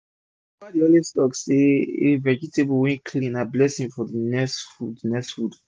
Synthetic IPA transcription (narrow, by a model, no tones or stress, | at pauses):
wadiõlistɔkseevɛd͡ʒitebowɛ̃nkʰlĩnablɛsĩŋfɔdinɛsfudinɛksfud